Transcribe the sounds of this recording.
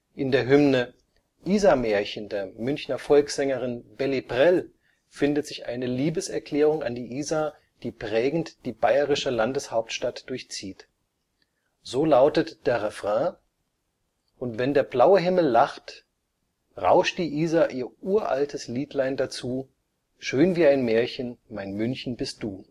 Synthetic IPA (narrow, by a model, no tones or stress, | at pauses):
ʔɪndeːɐɦʏmnə | ʔiːzameːɐçəndeːɐmʏnçnɐfɔlksz̥ɛŋəʁɪnbɛlibʁɛl | fɪndətz̥ɪçʔa̰ɪnəliːbəsɛɐkl̥ɛːʁʊŋa̰ndiːʔiːza | d̥iːpʁ̥ɛːɡŋ̩td̥iːbaɪəʁɪʃəlandəshaʊp̚tʃtatd̥ʊɐçt͡siːt | z̥oːlaʊtətd̥eːɐʁɛfʁ̥ɛ̃ː | ʔʊntv̥ɛndeːɐblaʊəɦɪml̩ːaχt | ʁa̰ʊʃtd̥iːʔiːzaʔiːɐʔuːɐʔa̰ltʰəsliːtlaɪndat͡suː | ʃøːnviːaɪnmɛːɐçənmaɪnmʏnçn̩bɪst̚d̥uː